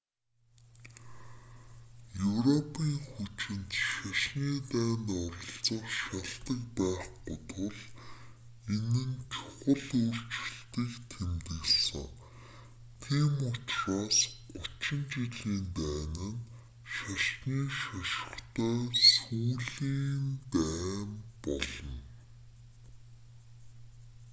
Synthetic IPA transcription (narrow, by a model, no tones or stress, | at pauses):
jɵwrɔpʰiːŋxut͡ɕɪ̆nt̪ʃaʃniːt̪æːnt̪ɔɾə̆ɬt͡sə̆χʃaɮt̪ə̆kpæːχʊt̪ʊ̆ɮ | enɘ̆nt͡ɕʰʊ̥χə̆ɮoːr̥t͡ɕɪ̆ɬt̪iːkt̪ʰemt̪ɘ̆ɣɮsə̰̆ŋ | t̪ʰiːmʊt͡ɕraːsɢʊt͡ɕɪ̆nt͡ɕiɮiːnt̪æːnɘ̆n | ʃaɬt̪niːʃaʃə̥̆χt̪ʰœːsuːɮiːnt̪æːmpɔ̰ɮɞ̆n